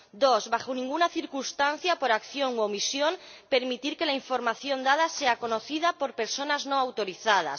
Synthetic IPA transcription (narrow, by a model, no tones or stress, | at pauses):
d̪o̞zβaxonĩŋɡunaθiɾkunst̪an̟θjapo̞ɾakθjo̞ŋwomisjo̞mpe̞ɾmit̪iɾke̞laiɱfo̞ɾmaθjo̞nd̪að̞ase̞ako̞no̞θið̞apo̞ɾpe̞ɾso̞nazno̞awt̪o̞ɾiθað̞a̰s